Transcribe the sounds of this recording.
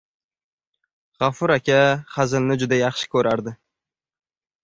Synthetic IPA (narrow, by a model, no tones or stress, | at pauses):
ʁafʊɾakʲaχazɪlnɪd͡ʒʊd̪ajɑχʃɪ̥kʲʰɵɾʔaɾd̪ɪ